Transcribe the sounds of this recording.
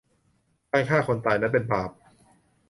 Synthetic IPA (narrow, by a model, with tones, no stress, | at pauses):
kaː˥˩kʰaː˥˩kʰo˧nt̪aː˨˩jnɛ˦˥pe˧npʰaː˨˩p̚